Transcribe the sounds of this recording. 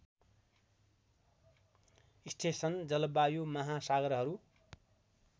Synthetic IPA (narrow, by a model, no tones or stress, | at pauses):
isʈʰesʌnd͡zʌlʌbajomʌɦasaɡʌɾɦʌɾu